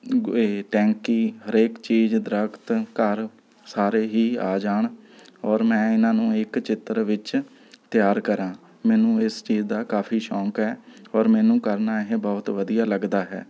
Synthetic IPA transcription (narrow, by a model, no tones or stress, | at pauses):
ʈɛ̃ːŋkiːɦəɾeːkt͡ʃiːd͡ʒd̪ɾəkʰt̪kəɾ | saːɾeːɦiːaːd͡ʒaːɳɔːɾmɛ̃ːɪnãːnũːɪkt͡ʃɪt̪ɾʋɪt͡ʃ | t̪jaːɾkəɾãː | mɛːnũːɪst͡ʃiːd͡ʒd̪aːkaːpʰiːʃɔ̃ːkɦɛːɔːɾmɛːnũːkəɾnaːɪɦẽbɔːt̪ʋəd̪ijaːləɡd̪aːɦɛ̰ː